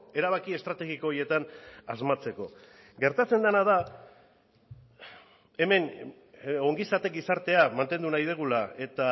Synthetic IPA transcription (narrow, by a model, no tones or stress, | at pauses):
e̞ɾaβakie̞st̪ɾat̪e̞ɣiko̞ːɾje̞t̪anazmat͡se̞ko̞ | ɡe̞ɾt̪at͡se̞nd̪anað̞a | e̞me̞n | o̞ŋɡisat̪e̞k̚ɡisaɾt̪e̞amant̪e̞nd̪unajðeɣ̞ulae̞t̪a